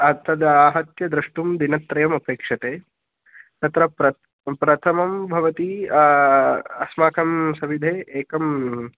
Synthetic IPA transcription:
ɐt̪ʰːɐd̪aːɦɐt̪jɐd̪ɾɐʂʈumd̪inɐt̪ɾɐjɐmɐpeːkʂɐt̪eː | t̪ɐt̪ɾɐpɾɐ | pɾɐt̪ʰɐmɐmbʱɐʋɐt̪i | ɐsmaːkʰɐmsɐʋid̪ʱeːʔeːkɐm

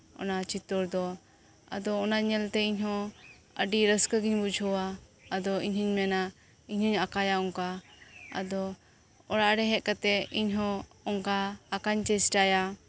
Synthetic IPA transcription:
ɔ̰nat͡ʃit̪ɔɾd̪ɔ | a̰d̪ɔːnaɲɛlt̪ɛiɲɦɔ̃ | ə̰ɖiɾəskəɡiɲbud͡ʒʱɔwaːd̪ɔiɲhəɲmɛna | iɲhɔɲakajaɔŋkaa̰d̪ɔ | ɔɽaʔɖɛɦɛt̪̚kat̪ɛiɲɦɔ̃ | ɔŋkaːkaɲt͡ʃɛsʈaja

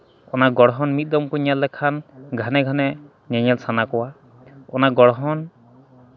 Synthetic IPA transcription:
ɔnaɡɔɽɔɦɔnmit̪̚d̪ɔmkuɲalːɛkʰanɡʱanɛɡʱanɛ | ɲaɲalsanakɔwa | ɔnaɡɔɽɦɔn

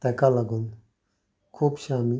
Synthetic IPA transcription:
t̪ɛkalaɡun | kʰopʃaːmi

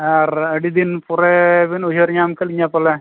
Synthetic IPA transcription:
arɐɽid̪inpureʋinuɦiɐriɲːaːmkɐɭiɲːaːpːɐlːe

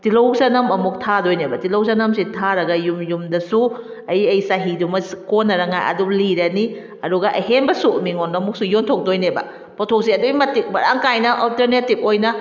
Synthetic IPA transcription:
tilowsanɐmɐmuk̚tʰadojnebɐtilowsɐnɐmsitʰaɾɐɡɐjumjumdɐsu | ɐjɐjsaɦidumɐskonːɐɾɐŋajʔɐ̰duliɾɐni | ɐduɡɐʔɐ̰ɦenbɐsumiŋonɐmuk̚sujontʰok̚dojnebɐ̰ | pɔtʰok̚siɐduimɐtik̚bɐɾa̰ŋkajnɐʔɔlteɾnetip̚ojnɐ

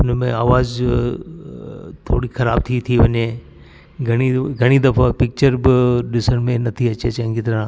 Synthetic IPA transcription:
ʊnmḛ̃aːʋaːz | t̪ʰo̰ːɽixɐɾaːb̚t̪ʰit̪ʰiʋɐɲe | ɡʱɐɽ̃iɡʱɐɽ̃id̪ɐfapɪk̚t͡ɕəɾbɪɗɪsəɽ̃mẽnɐt̪ʰiɐt͡ɕet͡ɕɐɦɪ̃ɡɪt̪ɾã

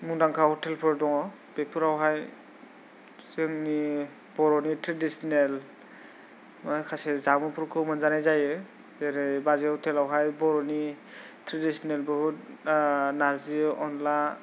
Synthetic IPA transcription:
mudaŋkʰahɔtʰɛlpʰɔɹdɔŋɔ | b̥epʰuɾawɦaj | zɯŋni | b̥ɔɹɔnitɾadisɔnɛl | mɔjkʰasɛzamɔpʰuɾkʰɯwmanzanajzajɯ | zeɾejbazeɔtʰɛlawɦajbɔɾɔni | tʰɹadisɔnelbɔɦut̚ | naziʔɔnla

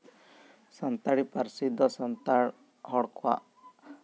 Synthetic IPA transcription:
sɔnt̪aɽipəɾsid̪ʱːɔsɔnt̪aɽ | ɦɔɽkʰa̰ʔ

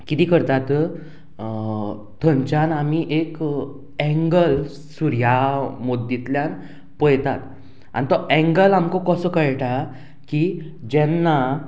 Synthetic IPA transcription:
kit̪iːkəɾt̪at̪ | t̪ʰəɲt͡ɕanamiʔek | ɛ̃ŋɡəl | suɾjamod̪ːit̪ljan | pəjt̪at̪ | a̰nit̪ɔʔɛ̃ŋɡəlamkɔkəsəːkəjʈa | ki | d͡ʑɛnːa

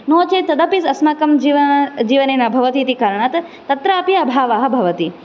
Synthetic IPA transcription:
noːt͡ʃet̪ɐd̪ɐpisɐsmaːkɐmd͡ʒiʋd͡ʒiʋɐnenabʱɐʋɐt̪it̪ikaːɾəɳ̃at̪ | t̪ɐt̪ɾaːpiɐbʱaːʋaːɦɐbʱɐʋɐt̪i

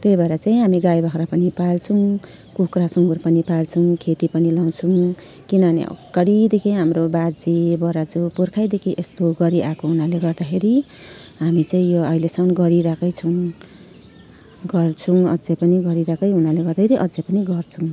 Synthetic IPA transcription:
t̪ejbaɾat͡saĩɦamiɡajbʱʌkɾapʌnipalt͡sʰuw | kukrasuŋɡurpʌnipalt͡sʰuwkʰet̪ipʌnilaw̃t͡sʰũ | kinʌnḛʔʌ̰kːʌɽid̪ekʰiɦamɾobad͡zibʌɾad͡zupurkʰajd̪ekʰiʔest̪oɡʌɾiʔakoɦunaleɡʌrd̪akʰeɾi | ɦamit͡saĩjoʌjlesʌmnɡʌɾiɾakʌjt͡sʰʌw̃ | ɡʌrt͡sʰũʌd͡zepʌniɡʌɾiɾakʌjɦunaleɡʌrd̪ʌeɾiʔʌd͡zepʌniɡʌrt͡sʰuw

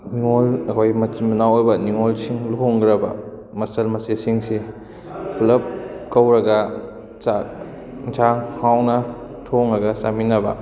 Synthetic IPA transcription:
niŋolɐkʰojmɐmɐnawojbɐniŋolsiŋlukoŋɡɾɐbɐ̰ | mɐsɐlmɐsesiŋsi | plɐp̚kɐwɾɐɡɐ | a | t͡ʃʰaŋhawnɐ | tʰoŋɾɐɡɐsaminːɐbɐ̰

